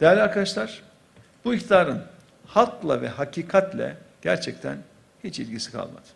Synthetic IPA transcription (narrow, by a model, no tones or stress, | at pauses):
d̪̥ejælʲaɾkʰad̪aʃlˠaɾ̥ | b̥uiçt̪ʰd̪aːɾɯn | halˠklˠa̰vɛɦacʰiːkʰat̪lʲɛ̰ɟ̥æɾt͡ʃʰɛct̪ʰæ̰n | hit͡ʃilʲɟisi̥kʰa̰lˠma̰d̪̥